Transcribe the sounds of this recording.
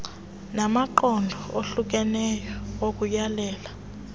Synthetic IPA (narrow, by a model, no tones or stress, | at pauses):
namaǃɔndʱɔoɬuk̬ɛnɛjɔwok̬ʼujalɛːla